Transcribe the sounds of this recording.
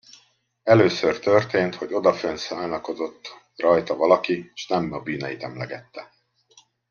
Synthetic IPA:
ɛløːsørt̪ørt̪eːnt̪ho̞ɟo̞d̪ɒfønsaːnɒko̞zo̞t̪ː | rɒjt̪ɒvɒlɒkieʃnɛmɒbyːnɛjit̪ɛmlɛɡɛt̪ːɛ

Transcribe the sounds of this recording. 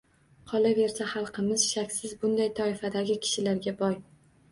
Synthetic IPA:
qʰɒlˠave̞ɾsaχɑlˠqʰɨmɪz̥ʃakʲsɪzbʊnd̪ajt̪ʰɒɪfad̪aɡʲɪkʲʰɪ̥ʃɪlaɾɡʲabɒj

